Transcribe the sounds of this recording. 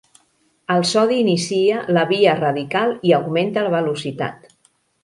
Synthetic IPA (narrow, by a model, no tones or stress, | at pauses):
əlˠsɔðiːnisiələβiərəðikalˠiəwɣment̪ələβəlusit̪a̰t̪